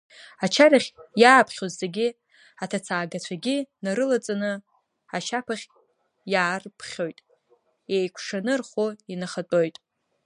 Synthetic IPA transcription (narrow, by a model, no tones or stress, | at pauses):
at͡ʃʰaraχʲjaːpʰχʲozːe̞ɡʲi | atʰat͡sʰaːɡat͡ɕʷʰaɡʲinaɾɨlat͡sʼanɨ | at͡ʃʰapʰaχʲ | jaːrpʰχʲo̞jtʼ | ejkʷʰʂanɨrχoinaχat͡pʼo̞jtʼ